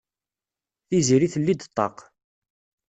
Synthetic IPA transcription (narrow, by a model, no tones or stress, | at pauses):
θiziɾiθəlːid̪t̪ˤːɑ̰q